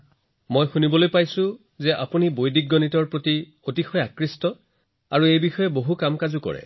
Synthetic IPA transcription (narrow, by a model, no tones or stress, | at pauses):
mojxunibɔlojpajsʊ̃ | zɛʔa̰punibojdik̚ɡːɔnitɔɹpɹoti | otixɔjakɹistɔ | aɹuejbixɔjɛboɦukamkazukɔ̰ɹɛ̰